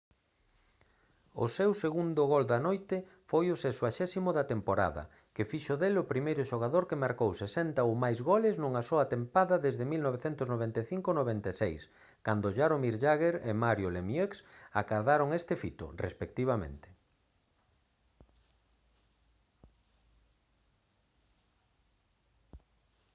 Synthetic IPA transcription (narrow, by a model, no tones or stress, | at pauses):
ʊ̰sewseɣund̪ʊɣold̪ɐnojt̪ɪ | fojʊsesoaʃɛsimʊðat̪empoɾa̰ðɐ̰ | kɪfiʃoðelʊpɾimejɾʊʃoɣ̞aðoɾkemaɾkowsesɛnt̪aowmajzɣolɪznuŋɐsoɐt̪empaðɐðezðɪmilnɔβ̞eθent̪ʊznoβent̪eθiŋkonoβent̪esejs | kand̪ʊʒaɾomiɾʎaɣeɾemaɾjolemjeksakaɾðaɾoŋest̪ɪfit̪ʊ̰rḛspek̚t̪iβamḛ̃nt̪ɪ̥